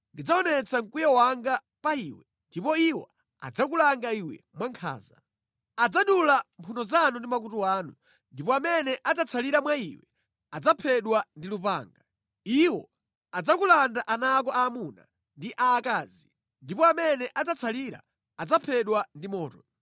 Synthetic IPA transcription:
ndid͡zaɔnɛt͡sʰaŋkujɔwaŋɡa | paiːwɛ | ndipɔiwɔ̰ | a̰d͡zak̬ulaŋɡaiwɛ̰mwaŋkʰa̰ːza̰ | ad͡zaɗulampʰundɔzanundimak̬utuwaːnu | ndipɔamɛnɛʔad͡zat͡sʰaliɾamwaiwɛ | ad͡zapʰɛɗwandilupa̰ːŋɡa | iwɔ | ad͡zakulandaʔanaːk̬ɔaːmuna̰ | ndiʔaːkaːzi | ndipɔamɛnɛʔad͡zat͡sʰaliɾa̰ | ad͡zapʰɛɗwandimɔːtɔ

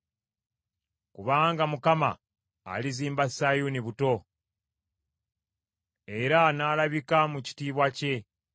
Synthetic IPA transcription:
kuβaːŋɡamukama̰ː | liziːmbasajuniβuto̞ | e̞ɾanaːlaβikamuci̥tiːβwace̞

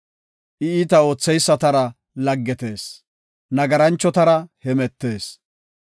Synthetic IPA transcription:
ʔɪiːt̪ɐo̞ːt͡sːɛjsːɐt̪ɐɾɐ | lɐɡːɛt̪e̞ːs | nɐɡɐɾɐnt͡ʃːɔt̪ɐɾɐhɛmɛt̪ːe̞ːs

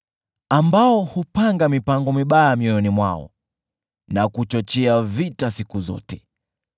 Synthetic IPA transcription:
ambaɔhupaŋɡamipaŋɡɔmiɓaamiɔjɔnimwa̰ɔ̰ | nakut͡ʃɔt͡ʃɛavitasikuzɔ̰tɛ̥

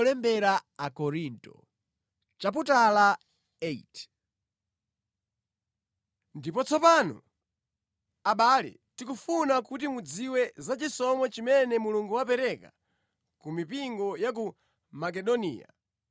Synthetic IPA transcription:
lɛmbɛɾaakɔɾintɔ̰ | t͡ʃap̬utala | ɛit | ndipɔt͡sʰɔpaːnɔ̰ | aɓalɛ̰ | tikufunakut̬imud͡ziwɛzat͡ʃisɔmɔt͡ʃimɛnɛmuluŋɡuwapɛɾɛka̰ | kumipiŋɡɔjak̬u | mak̬ɛɗɔnḭːa̰

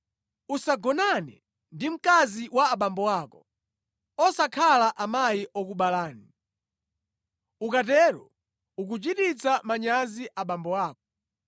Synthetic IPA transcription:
usaɡɔnanɛ̰ | ndim̩kaziwaːɓambɔwakɔ | ɔsakʰalaʔamajiʔɔk̬uɓalaːni | ukatɛɾɔ̰ | uk̬ut͡ʃitit͡samaɲaziʔaɓambɔwaːk̚ɔ̥

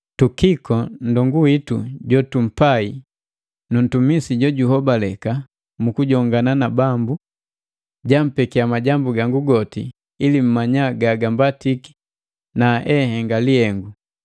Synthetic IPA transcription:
tukikɔndɔŋɡuwitṵɟɔtum̩pai | nun̩tumisiɟɔɟuɦɔbalɛka | mukuɟɔŋɡananabambu | ɟam̩pɛkiamaɟambuɡaŋɡuɡɔti | ilim̩maɲaɡaɡambatiki̥ | naʔɛhɛŋɡaliɛŋɡu

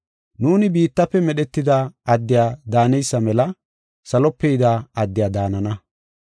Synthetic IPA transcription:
nuːnɪbiːt̪ːɐpːɛmɛɗɛt̪ːɪd̪aɐd̪ːɪjaːd̪aːnɛjsːɐmɛlɐ | sɐlɔpːɛjd̪aːɐd̪ːɪjaːd̪aːnɐnɐ

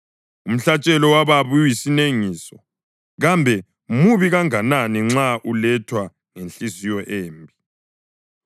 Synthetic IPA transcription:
um̩ɬat͡ʃʼɛlɔwaβaβujujisineŋiːsɔ | ɣambʱɛ | muβiɣaŋananiŋ͡ǁaʔulɛtʰwa | ŋenɬizijɔʔeːmbʱi

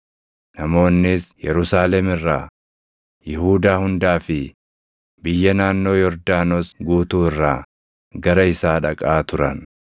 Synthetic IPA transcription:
nɐmo̞ːnːɪsjɛɾʊsaːlɛmɪrːaː | jɪhuːd̪aːhʊnd̪aːfɪ | bɪjːɐnaːnːo̞ːjɔɾd̪aːnosɡuːt̪uːɪrːaː | ɡɐɾɐɪsaːᶑɐkʼaːt̪ʊɾɐn

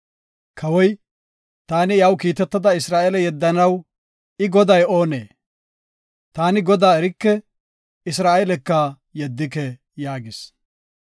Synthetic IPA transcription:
kʰɐwɔj | t̪aːnɪjɐwkiːt̪ɛt̪ːɐd̪ɐɪsɾaːelɛjɛd̪ːɐnɐw | ɪɡɔd̪ɐjo̞ːnḛː | t̪aːnɪɡɔd̪aːɛɾɪkːɛ | ɪs̬ɾaːelɛkːɐ | jɛd̪ːɪkɛ | jaːɡɪs

